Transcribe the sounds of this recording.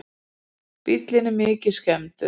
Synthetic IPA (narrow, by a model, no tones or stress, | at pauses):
pit̪lɪnɪmɪːcɪskɛmt̪ʏ